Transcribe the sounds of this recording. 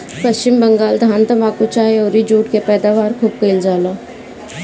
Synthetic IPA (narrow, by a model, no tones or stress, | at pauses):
pɐst͡ʃɪmbɐŋɡaːld̪ʱaːnt̪ɐmaːkut͡ʃaːeɔːɾid͡ʒuːʈkepɛːd̪aːʋaːɾkʰuːb̚keɪld͡ʒaːlaː